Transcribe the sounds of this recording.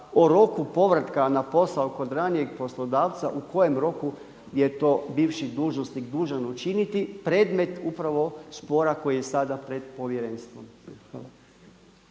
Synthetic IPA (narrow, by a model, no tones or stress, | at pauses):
oɾo̞kupo̞ʋɾat̪kanapo̞saoko̞d̪ɾanije̞ɡpo̞slˠod̪aːʋt̪saʔuko̞je̞mɾo̞ku | je̞t̪o̞ːbiːʋʃid̪uːʒnosniɡd̪uːʒanout͡ʃinit̪ipɾeːd̪me̞t̪upɾaʋo̞spo̞ːɾako̞jijesad̪apɾe̞d̪po̞ʋjeɾenst̪ʋomxʋalˠa